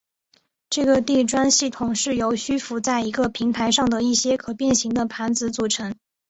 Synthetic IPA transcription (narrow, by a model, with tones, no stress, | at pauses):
ʈ͡ʂɤ˥˩ɡə˩t̪i˥˩ʈ͡ʂwa˥nɕi˥˩t̪ʰʊ˨˩ŋʂɻ̩˥˩jo˧˥ʊɕy˥fu˧˥t͡sa˥˩ɪi˧˥ɡə˧pʰi˧˥ŋt̪ʰa˧˥ɪʂɑ˥˩ŋd̪ə˩i˥˩ɕjɛ˥kʰɤ˨˩pjɛ˥˩nɕi˧˥ŋd̪ə˧pʰa˧˥nt͡sɹ̩˧˥t͡su˨˩ʈ͡ʂʰɤ˧˥ŋ